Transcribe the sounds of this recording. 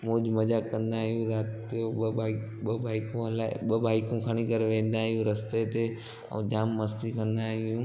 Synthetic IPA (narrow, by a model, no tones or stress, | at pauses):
moːd͡ʒmɐd͡ʒakɐ̃nd̪aːɦɪjũɾaːt̪ | eoa | ɓəbʱaːɪkõɦɐlaɓɐbʱaːɪkũkʰɐɽ̃ikəɾʋẽːn̆d̪aːɦɪjũɾɐst̪et̪e | o̰d͡ʒaːmːɐst̪ikɐ̃nd̪aːɦɪjũː